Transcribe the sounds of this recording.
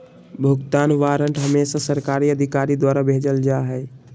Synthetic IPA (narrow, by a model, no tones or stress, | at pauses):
bʱuɡt̪aːnʋaɾəɳʈɦəmesasəɾkaɾiəd̪ʱikaɾid̪waːɾabʱed͡ʒəld͡ʒaɦɛː